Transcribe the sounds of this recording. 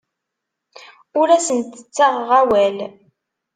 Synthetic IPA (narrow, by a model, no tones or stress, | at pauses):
ʊɾæsənt̪ə̥t͡sːæʁʁæwæl